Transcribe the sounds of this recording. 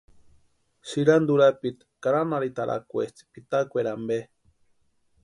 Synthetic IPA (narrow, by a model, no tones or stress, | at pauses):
siɾand̪uɾapit̪kaɾanaɾit̪aɾʔa̰kʷet͡si̥pit̪akʷeɾambe